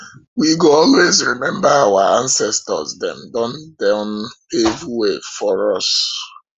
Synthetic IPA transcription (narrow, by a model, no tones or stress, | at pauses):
wiɡoɔlwezɹimɛ̃mbaawaãnsɛstɔ̰zdɛ̰̃mdɔ̃ndãʊnhevwefɔɹɔs